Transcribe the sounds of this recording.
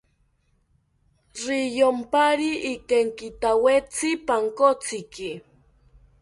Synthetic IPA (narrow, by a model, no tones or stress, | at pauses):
ɾɪjompaɾiʔːkeŋkɪt̪awet͡sɪpaŋkot͡sɪkɪ